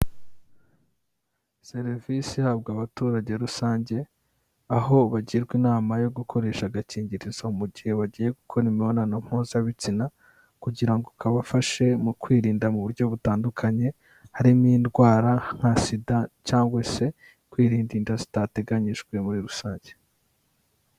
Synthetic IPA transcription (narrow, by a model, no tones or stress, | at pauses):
se̞ɾvisihabɡaβatuːɾaɟe̞ɾusaːɲɟe̞ | aɦo̞βaɟiɾɡwinaːmajo̞ɡukʰo̞ɾe̞ːʃaɡaciːɲɟiɾiz̥aumuɟihe̞βaɟiːje̞ɡukʰo̞ɾimionanam̥huːnzaβit͡sina | kuɟiɾaŋɡokaβafaʃe̞mukwiːɾiːndamuβuɾɟo̞βutaːndukʰaɲe̞ | haɾimiːndɡwaːɾaŋ̥hasidacaːŋɡwase̞ | kwiːɾiːndindazi̥tate̞ɡaɲiʒɡwe̞muɾiɾusaːɲɟe